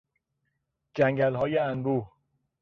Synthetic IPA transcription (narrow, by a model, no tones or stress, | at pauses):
d͡ʒæŋɟælɦɒːjeænɾuːh